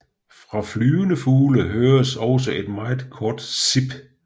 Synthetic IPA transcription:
fʁɑ̈flyːʊənəfuːləɦøːɐɐsɒʊsɒʔe̝d̥mɑ̈ɪð̩ˠkʰɒːd̥sib̥

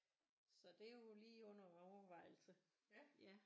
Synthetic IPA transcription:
sɒ̽d̥e̝jo̝liːɔ̽n̰ɐɒʊɐʋɑ̈ɪ̰l̩sə | jæ

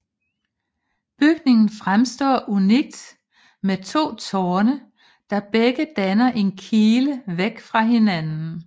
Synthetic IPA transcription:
b̥yɡ̥ne̝ŋn̩fʁamsd̥ɒ̰ːʔuniɡ̥̚d̥ | met͡sʰo̝̰ːt͡sʰɒːnə | d̥ɑ̈b̥eɡ̥əd̥ænɐʔe̝nkʰiːləʋeɡ̥fʁɑ̈ɦe̝nænn̩

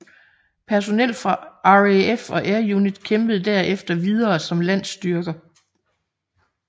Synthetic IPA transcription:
pʰæɐs̬o̝nel̰fʁɑ̈ʔɑefɒ̽ʔæɐjunid̥kʰemb̥əð̞̩ˠd̥æɐ̰efd̥ɐʋið̞ˠɐːsɒ̽mlæn̰sd̥yɐɡ̥ɐ

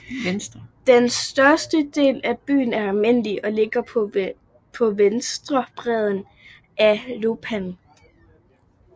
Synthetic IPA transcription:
sd̥d̥ensd̥ɶɐsd̥əd̥e̝̰ːlæb̥y̰ːn̩æɐælme̝n̰liʔɒ̽le̝ɡ̥ɐ | pʰɒ̽ʋensd̥ʁɐb̥ʁɛð̞ˠn̩ | ʔælo̝pʰæn

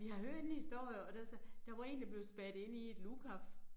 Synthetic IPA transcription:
ʋiɦɑ̈ɦøɐ̰d̥enhisd̥o̝ɐ̰jɐɒ̽d̥æsd̥ɑ̈ʋɑ̈e̝̰ːnd̥ɑ̈b̥le̝ʊsb̥æɐd̥e̝n̰ie̝d̥lukʰaf

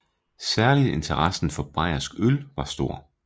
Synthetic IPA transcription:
sæɐlie̝nt͡sʰɐʁɑsn̩fɒ̽b̥ʁɑ̈ɪɐsɡ̥ølʋɑ̈sd̥o̝ɐ̰

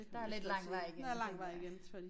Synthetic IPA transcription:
d̥ɑæɐle̝d̥lɑ̈ŋ̰ʋaɪ̰iɡ̥elɑŋ̰ʋaɪ̰iɡ̥ensfi

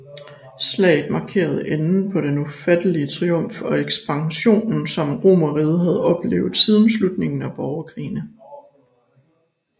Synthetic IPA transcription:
slɛ̰ːɪd̥ˠmɑ̈kʰe̝̰ːɐð̞̩ˠenn̩pʰɒ̽ɾ̥enufæd̥əliət͡sʰʁiɔ̽m̰fɒ̽eɡ̥sb̥ɑ̈ŋɕo̝̰ːnn̩sɒ̽mʁo̝̰ːmɐʁiːð̞ˠɦæð̞ˠɒ̽b̥le̝̰ːʊð̞̩ˠsið̞ˠənslud̥ne̝ŋn̩æb̥ɒʊɐkʰʁḭːnə

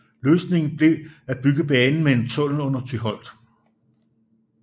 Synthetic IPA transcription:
løːsne̝ŋn̩b̥le̝æ̥b̥yɡ̥əb̥ɛːnn̩mee̝nt͡sʰɔ̽l̰n̩ɔ̽n̰ɐt͡sʰyɦɒ̽l̰d̥

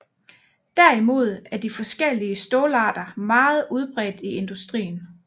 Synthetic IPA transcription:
d̥æɐimo̝ð̞̰ˠæɐd̥ifɒ̽sɡ̥el̰iəsd̥ɔːlɑ̰̈ːd̥ɐmɑ̈ːð̞̩ˠuð̞ˠb̥ʁɛd̥ie̝nd̥usd̥ʁḭːn̩

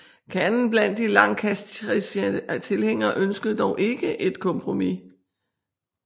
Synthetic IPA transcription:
kʰænn̩b̥læn̰d̥ːilɑ̈ŋkʰæsdist͡sʰe̝lheŋ̰ɐːʔønsɡ̥əð̩ˠd̥ɒʊʔe̝ɡ̥əʔe̝d̥kʰɒ̽mpʰʁo̝mi

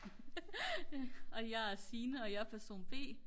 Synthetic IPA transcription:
ɒ̽jɑɪæɐsiːnəɒ̽jɑpʰæɐso̝̰ːnb̥e̝̰ː

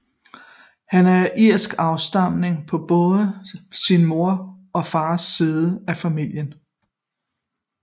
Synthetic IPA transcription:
hænæɐʔiɐ̰sɡ̥ɑ̈ʊsd̥ɑ̈m̰ne̝ŋpʰɒ̽b̥ɔ̽ːðˠəsinmo̝ɐ | ɒ̽fɑ̈ːsːiːðˠəæfæmil̰jən

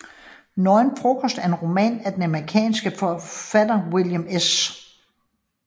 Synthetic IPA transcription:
nɒɪnfʰʁokʰɔsd̥æɐe̝nʁo̝mɛ̰ːnæd̥enæməʁikʰɛ̰ːnsɡ̥əfɒfæd̥ɐwiljəmes

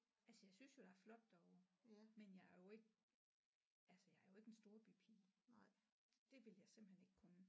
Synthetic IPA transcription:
ælsəjɑ̈ɪsynsjo̝d̥ɑ̈æɐflɒ̽d̥ːɒʊʊmenjɑ̈ɪæɐjo̝e̝ɡ̥ | ælsəjɑ̈ɐjo̝e̝ɡ̥ensd̥o̝ːɐb̥ipʰḭ | d̥e̝ʋe̝ljɑ̈ɪse̝m̰b̥̩hene̝ɡ̥kʰɔn

